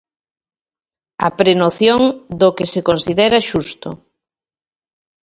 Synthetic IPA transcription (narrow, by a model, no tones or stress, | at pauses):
ɐ̰pɾenoθjoŋd̪okɪsekonsiðɛɾaʃust̪o̰